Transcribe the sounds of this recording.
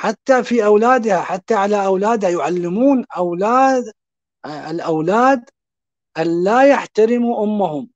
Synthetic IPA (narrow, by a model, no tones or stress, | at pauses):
ħat̪ːafiʔawlaːd̪haħat̪ːaʕalaʔawlaːd̪hajʊʕalːɪmuːnʔawlaːd̪ | ɪlʔawlaːd̪ | ʔanlaːjaħt̪aɾɪmuʔʊmːʊhʊm